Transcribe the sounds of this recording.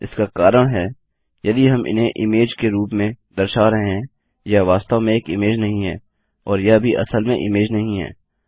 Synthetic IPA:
ɪskakaːɾəɽ̃ɦɛː | jɐd̪iɦɐmʔɪ̰nɦẽʔɪmeːd͡ʒkeɾuːpmẽd̪ɐɾʃaːɾɐɦeɦɛ̃ | jaʋaːst̪amẽeːkɪmeːd͡ʒnɐɦĩɦɛː | ɔːɾjabʱiʔɐ̰səlmẽʔɪmeːd͡ʒnɐɦĩɦɛ̰ː

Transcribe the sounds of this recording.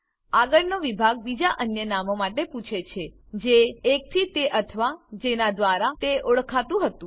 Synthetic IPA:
aɡəɭnoʋibʱaɡ̚bid͡ʒaʔənjənamomaʈeput͡ʃʰet͡ʃʰe | d͡ʒeːk̚t̪ʰit̪eʔət̪ʰʋad͡ʒenad̪ʋaɾat̪eoɭkʰat̪ũɦət̪ũ

